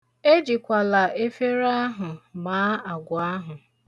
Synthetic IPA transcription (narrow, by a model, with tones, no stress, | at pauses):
e˦d͡ʒi˨kʷa˨la˨ʔe˦fe˦ɾa˦ɦʊ˨maː˨˦a˨ɡʷʊ˨a˦ɦʊ˨